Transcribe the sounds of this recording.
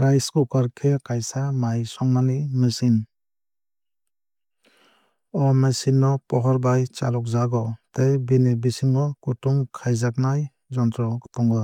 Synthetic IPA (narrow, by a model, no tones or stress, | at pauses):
ɾajskukaɾkʰekajsamajsɔŋmanimɯsin | ɔmesinːɔpɔɦɔɾbajt͡ʃa̰lɔk̚zaɡɔtejbinebisiŋɡɔkutuŋkʰajzak̚naj | zɔntɾɔɡtɔŋɡɔ